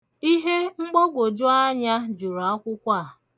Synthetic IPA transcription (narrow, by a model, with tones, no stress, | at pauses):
i˦ɦe˦ŋ͡m̩˦ɡ͡bo˦ɡʷo˨d͡ʒʊ˦a˦ɲa˦d͡ʒu˨ɾo˨a˦kʷʊ˦kʷa˦˨